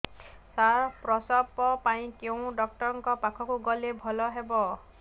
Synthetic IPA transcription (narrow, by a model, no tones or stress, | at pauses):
saɾpɾɔsɔpɔpaĩkew̃ɖɔk̚ʈɔɾɔŋkɔpakʰɔkuɡɔlebʱɔlɔɦebɔ